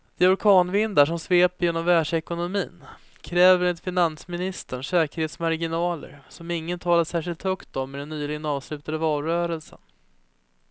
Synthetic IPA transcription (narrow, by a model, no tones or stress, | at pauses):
d̪̥ɛɔɾkʰɑːnvɪnd̪aʂɔmsveːpjeːnɔmvæːʂɛkʊnʊmiːn | kʰɾɛːvəɾɛt̪fɪnansmɪnɪst̪əɳʂɛːkəɾheːt̪smaɾɡɪnɑːlə̰ɾsɔmɪŋːənt̪ʰɑːlaʂæːʂɪlt̪hœkt̪ɔmːɛd̪ɛnːyːlɪɡənɑːvslʉ̟ːt̪ad̪əvɑːlɾœːɾəlsə̰n